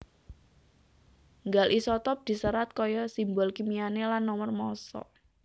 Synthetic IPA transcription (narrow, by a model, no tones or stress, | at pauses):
ŋɡalʔisɔt̪ɔp̚d̪̥i̤səɾat̪̚kɔjɔsimbɔlkimianelanːɔmərmɔsɔ̰